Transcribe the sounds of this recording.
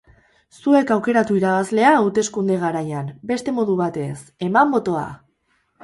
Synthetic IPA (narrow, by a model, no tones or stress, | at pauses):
sue̞kawke̞ɾat̪uiɾaβ̞azle̞aːwt̪e̞skund̪e̞ɣ̞aɾajanbe̞st̪e̞mo̞ðuβ̞at̪e̞se̞mambo̞t̪o̞a̰